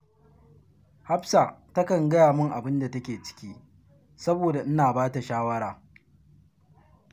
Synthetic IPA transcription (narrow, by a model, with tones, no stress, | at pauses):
ha˦bsaː˨tɐ˦kɐ˨ŋɡɐ˦jaː˨mʊ˦ŋʔa˨bɪ˦nda˨tɐ˦kʲeː˨t͡ʃɪ̥˦kʲiː˦ | sɐ˦boː˨da˨ʔɪ˦naː˨baː˦ta˨ʃaː˦wɐ˦ɽaː˨